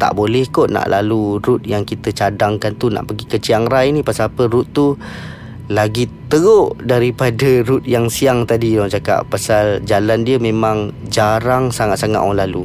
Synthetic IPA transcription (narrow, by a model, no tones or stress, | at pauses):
t̪a̰ʔbolɛhkɔʔna̰ʔlaluɾut̪̚jaŋkit̪ət͡ʃadaŋkant̪una̰ʔpəɡikət͡ʃiaŋɾajnĩpasaapəɾut̪ːu | laɡit̪əɣoʔdaɾipadəɾʊt̪̚jaŋsiaŋt̪adidɔd͡ʒaka̰ʔpasald͡ʒalandiəmẽmãŋd͡ʒaɾaŋsaŋat̪̚saŋa̰t̪wɔlalu